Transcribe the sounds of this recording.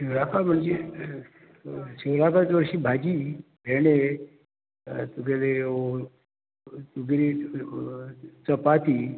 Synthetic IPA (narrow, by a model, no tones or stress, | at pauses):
iɾakam̤əɳd͡ze | sewlakat͡sʋəɾɕiːbʱad͡ʑiːbʱeɽe | t̪uɡele | t̪uɡɾi | t͡səpat̪iː